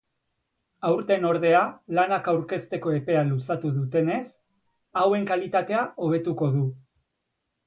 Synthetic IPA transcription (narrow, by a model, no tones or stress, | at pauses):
awɾt̪e̞no̞ɾð̞e̞alanakawɾke̞st̪e̞ko̞e̞pe̞alusat̪uðut̪e̞ne̞s | awe̞ŋkalit̪at̪e̞aʔo̞β̞e̞t̪uko̞ðu